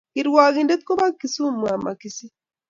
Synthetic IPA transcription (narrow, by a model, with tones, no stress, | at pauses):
i˨ɾwa˨ɣi˦˨nde˦t̪̚ko˦βa˦kːi˨su˦mwa˨ma̰˨ki˨si˦